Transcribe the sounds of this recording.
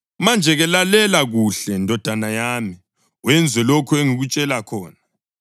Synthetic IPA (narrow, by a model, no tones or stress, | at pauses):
mand͡ʒʱɛɣɛlalɛlaɣuɬɛndʱɔd̥ʱanajaːmi | wɛnd͡zʱwɛlɔkʰɔeŋiɣut͡ʃʼɛlakʰɔːna